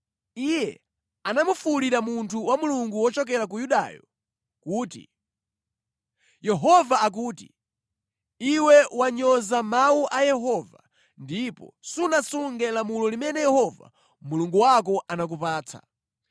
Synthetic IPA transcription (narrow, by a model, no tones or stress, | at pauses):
ijɛ | anamufuliɾamuntʰuwamuluŋɡuwɔt͡ʃɔkɛɾak̬ujuɗa̰jɔ | kuːtḭ | jɛɦɔvaːk̬uːti̥̰ | iwɛwaɲɔzamawuʔajɛɦɔva̰ | ndipɔ̰sunasuŋɡɛlamulɔlimɛnɛjɛhɔva̰ | muluŋɡuwak̬ɔʔanak̬upaːt͡sʰa̰